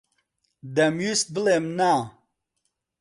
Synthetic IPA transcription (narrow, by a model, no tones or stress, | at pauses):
d̪ɛmjust̪̚bəlemna